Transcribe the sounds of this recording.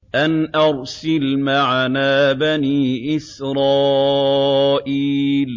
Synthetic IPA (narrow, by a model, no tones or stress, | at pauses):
ʔanʔɑɾˤsɪlmaʕanaːbaniːʔɪsɾˤɑː | ʔiːl